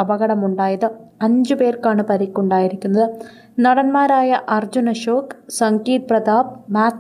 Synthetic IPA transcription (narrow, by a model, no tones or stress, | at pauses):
ɐbɐɣɐɽɐmuɳɖaːjɐðɨɐɲd͡ʑɨpe̞ːrkaːɳɨpɐɾikʲːuɳɖaːjiɾikʲːunːɐðɨ | nɐɽɐnmaːɾaːjɐʔɐrd͡ʑunɐɕoːksɐŋɡiːt̪̚prɐðaːb̚maːt̪